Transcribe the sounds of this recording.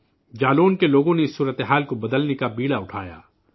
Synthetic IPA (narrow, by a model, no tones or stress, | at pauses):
d͡ʒaːloːnkeloːɡõneɪsːuːɾət̪eɦaːlkobɐd̪əlnekabiːɽaʊʈʰa̰ːja̰ː